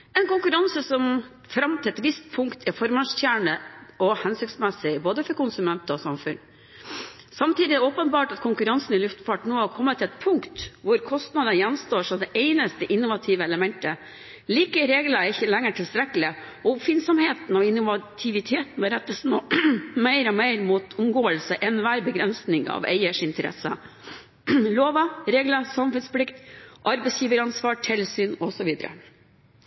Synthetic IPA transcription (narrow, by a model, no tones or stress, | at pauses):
ɛnkʊŋkʉɾɑnsəsɔm | fɾɑmt̪ʰɛlɛt̪ʋɪst̪̚pʰʊŋkt̪ʰɪfɔɾmɑst̪jæːɳəʔɔhɛnsʏksmɛsɪboːd̪əfɔɾkʊnsʉmɛnt̪ɔsɑmfʉn | sɑmt̪iːd̪ɪɔːpənbɑːʈɑt̪kʰʊŋkʉɾɑnsn̩ɪlʉft̪fɑʈnoːhɑɾkʰɔmːət̪ʰɛt̪pʰʊŋkt̪ʋʊɾkʰɔst̪nɑd̪ənəjɛnst̪oːʂɔmd̪ɛʔɛɪnəst̪əʔɪnːʊʋɑt̪ʰiːʋəɛləmɛnt̪ə | liːkəɾeːɡləɾɪçːəlɛŋːəʈʰɪlst̪ɾɛkːəlɪ | ɔʊpfɪnsɔmheːt̪n̩ɔɪnːʊʋɑt̪ʰɪʋɪt̪ʰeːt̪n̩ʋɛɾɛt̪ːəsnoːmæɪɾɔmeɪɾmuːt̪ʰʊmɡoːəlsəʔɛnːʋæːɾbəɡɾɛnsnɪŋɑ̰ʋɛ̰ɪəʂɪnt̪əɾɛ̰sə̰ | loːʋəɾeːɡləsɑmfʉnsplɪkt̪ʔɑɾbɛɪsjiːʋəɾɑnsʋɑːʈʰɛlsyːnɔsɔʋiːd̪əɾə̰